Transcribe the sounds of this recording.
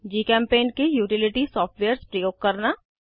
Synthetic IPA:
d͡ʒiːkɛ̃ːmpeːnkejuːʈɪlɪʈisɔːfʈʋeːəɾspɾəjoːɡ̚kɐɾnaː

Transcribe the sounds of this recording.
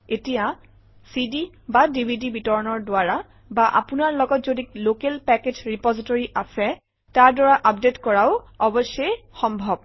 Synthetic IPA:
etija | sidi | badibʱidibitɔɹɔnɔɹdʊaɹa | baʔa̰pʊnaɹlɔɡɔtzodiklokɛlpɛked͡ʒɹipɔzitoɹiʔasɛ | taɹdɔɹaʔap̚detkɔɹaʊ | ɔbɔsɔjxɔmbʱɔb̚

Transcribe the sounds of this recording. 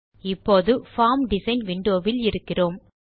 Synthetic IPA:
ɪpːoːðɯfaːmɖɪsɐɪnʋɪɳɖoːʋɪlɪɾɯkːɪroːm

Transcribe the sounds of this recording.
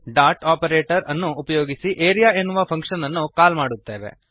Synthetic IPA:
ɖaːɾʈaːpɐɾeːʈɐɾɐnːuːpɐjo̞ːɡisiʔeːɾijaːenːuʋɐpʰɐŋkʂɐnɐnːukaːlmaːɽut̪ːeːʋḛ

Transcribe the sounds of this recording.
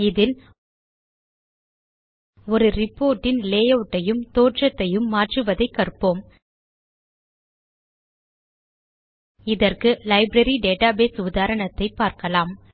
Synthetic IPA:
ɪðɪl | ɔɾɯɾɪpːoːɾʈːɪnleːjɐʋʈːɐjɯmt̪oːʈrɐt̪ːɐjɯmːaːʈrɯʋɐðɐɪkːɐɾɯpːoːm | ɪðɐrkɯlɐɪbɾɐɾiɖeːʈaːbeːsʊðaːɾɐɳɐt̪ːɐɪpːaːɾkɐlaːm

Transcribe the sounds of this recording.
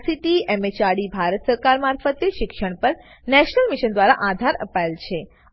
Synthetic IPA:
siʈiɛmet͡ʃaɽibʱaɾət̪səɾkaɾmaɾfət̪eʃɪkʃəɳ̃pəɾ | nɛʃnəlmiʃənd̪ʋaɾa̰ʔad̪ʱaɾə̰paelt͡ʃʰe

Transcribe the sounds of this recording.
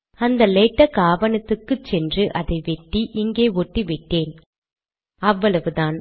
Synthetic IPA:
ɐnd̪ɐlɛːʈːɐkaːʋɐnɐt̪ːɯkːɯt͡ʃːɛndrɯʔɐðɐɪʋɛʈːiʔɪŋɡeːɔʈːiʋɪʈːeːn | ɐʋːɐɭɐʋɯðaːn

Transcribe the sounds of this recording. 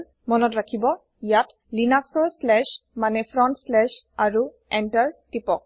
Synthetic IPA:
mɔnɔtɹakʰibɔ | jat | linaksɔlslɛʃmanɛpʰɹɔntslɛʃaɹu | ɛntaɹtipɔk̚

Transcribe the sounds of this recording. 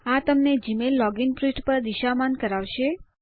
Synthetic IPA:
at̪əmned͡ʒimelːɔɡinpɾiʃʈpəɾd̪iʃamankəɾaʋʃe

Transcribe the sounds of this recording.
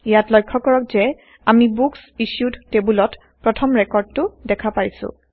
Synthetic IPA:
ijatlɔjkʰːɔkɔɹɔk̚zɛ | amibuksiʃudtebulɔt | pɹɔtʰɔmɹɛkɔɹd̚tʊdɛkʰapaɹjsʊ̰̃

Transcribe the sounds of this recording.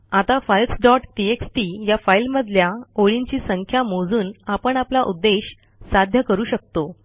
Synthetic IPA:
at̪afailsɖɔʈʈieksʈijafailməd̪ʱljaoɭiɲt͡ɕiːsəŋkʰjamod͡zuːnapəɳaplaʔud̪ːeɕ | sad̪ʱjəkəɾuːɕək̚t̪o

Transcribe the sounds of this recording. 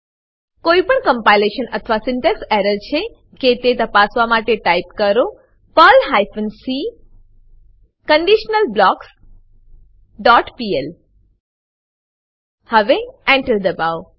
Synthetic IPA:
koipəɳkəmpajleʃənət̪ʰʋasɪɳʈeksɛɾəɾt͡ʃʰe | ket̪et̪əpasʋamaʈeʈaip̚kəɾo | pəlɦajfʰənsi | kəɳɖiʃnəlblɔks | ɖɔʈpiel | həʋeɛ̃ɳʈəɾd̪əbaʋ

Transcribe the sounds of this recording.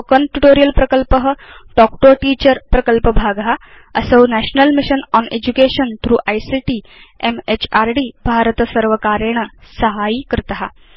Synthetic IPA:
kənʈuʈoɾijəlpɾəkəlpəɦəɖɔkʈoʈiːt͡ɕəɾpɾəkəlpəbʱaɡɦa | əsəwnæɕnəlmiɕənɔned͡ʑukeɕənt̪ʰɾuːʔajsiʈiː | emet͡ɕaɾɖiːbʱaɾət̪əsəɾʋəkaɾeɳ̃əsəɦaikɾɪt̪əɦa

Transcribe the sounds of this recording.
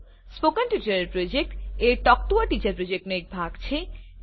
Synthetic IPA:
spokanʈjuʈaɾeɾpɾod͡ʑek̚ʈeɾʈɔkʈuaʈit͡ɕaɾpɾod͡ʑek̚ʈnoek̚bʱaɡt͡ɕʰe

